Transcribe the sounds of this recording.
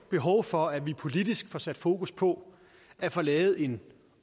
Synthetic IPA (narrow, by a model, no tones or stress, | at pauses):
b̥e̝ɦɒ̽ʊfɒ̽æʋipʰo̝lid̥isɡ̥fɒsæd̥fo̝ːkuspʰɒ̽ | æɐfɒ̽lɛːð̩ˠe̝n